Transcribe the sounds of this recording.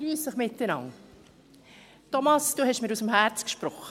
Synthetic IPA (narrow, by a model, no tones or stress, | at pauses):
lyːsd̥əχmɪt̪ːɛnɑ̰ŋ | tɔmɑsd̥uːhɛʃmɪːɾusəmɦæɾt͡skʃpɾɔχə